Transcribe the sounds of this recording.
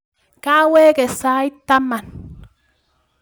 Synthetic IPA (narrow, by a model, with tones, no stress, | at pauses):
kaː˦weː˦ke˨sa˦i˦t̪a˦ma˨n